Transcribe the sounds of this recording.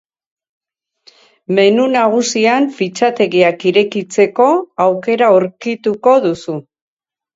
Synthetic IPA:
me̞nunaɣ̞usiaɱfit͡ʃat̪e̞ɣiakiɾe̞kit͡se̞ko̞awke̞ɾaoɾkit̪uko̞ðusu

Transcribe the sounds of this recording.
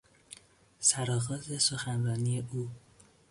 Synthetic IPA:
sæɾɒːɣɒːze̞so̞xænrɒːniːjeʔuː

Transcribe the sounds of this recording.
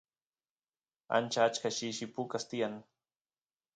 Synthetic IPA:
a̰nt͡ʃaːt͡ʃkaʃiʃipukast̪ijaŋ

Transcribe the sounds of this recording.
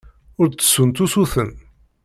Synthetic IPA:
ʊɾt͡sːə̥sunt̪usuθən

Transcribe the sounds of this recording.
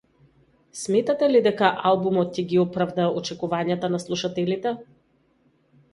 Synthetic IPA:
smɛt̪at̪ɛlid̪ɛkaʔalˠbumɔt̪̚cɛɡiɔpɾavd̪aɔt͡ʃɛkuvaɲat̪anaslˠuʃat̪ɛlit̪ɛ

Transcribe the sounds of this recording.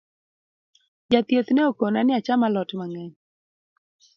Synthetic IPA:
d͡ʒat̪jet̪neokonanɪat͡ʃamalɔtmaŋɛɲ

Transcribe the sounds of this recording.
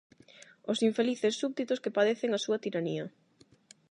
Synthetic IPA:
ʊsiɱfeliθesːuβd̪it̪ʊskepaðeθeŋasuɐt̪iɾaniɐ

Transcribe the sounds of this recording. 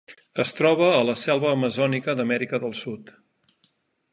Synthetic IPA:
əst̪ɾɔβ̞əːləsɛlˠβəːməzɔnikəd̪əmɛɾikəðəlˠsut̪

